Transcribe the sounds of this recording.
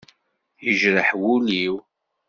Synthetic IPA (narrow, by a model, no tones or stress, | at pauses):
jəʒɾəħwuliw